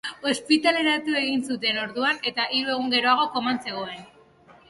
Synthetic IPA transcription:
o̞spit̪ale̞ɾat̪ue̞ɣinsut̪e̞no̞ɾðuane̞t̪aʔiɾue̞ɣ̞uŋɡe̞ɾo̞aɣ̞o̞ko̞manse̞ɣ̞o̞e̞n

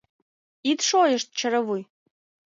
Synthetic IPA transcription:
it̪ʃojəʃt̪̚t͡ɕə̆ɾəβuj

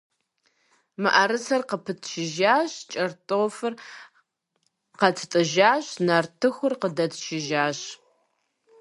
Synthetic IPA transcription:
mɨʔɐɾɨsɐrqəpʰɨtʰʃɪʒaːɕt͡ʃʼɐrtʼoːfɨr | qɐtʰtʼɨʒaːɕnartʰɨxʷʊrqədɐtʰʃɪʒaːɕ

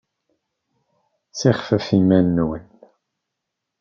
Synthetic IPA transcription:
t͡sːiχfəfimænːwən

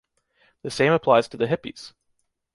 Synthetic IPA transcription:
ðɨsẽɪ̃məpʰl̥aɪz̥tʰɨðɨɦɪpḭz̥

